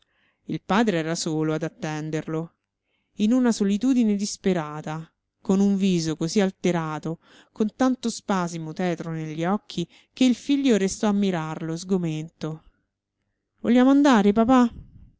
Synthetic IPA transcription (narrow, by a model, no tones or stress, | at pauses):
ilpaːd̪ɾeɛːɾasoːload̪at̪ːɛnd̪eɾlo | inunasolit̪uːd̪ined̪ispeɾaːt̪a | konuɱviːzokozialt̪eɾaːt̪o | kont̪ant̪ospaːzimot̪ɛːt̪ɾoneʎːiɔkʰːi | keilfiʎːoɾest̪ɔamːiɾarlozɡoment̪o | voljaːmoand̪aːɾep̬apa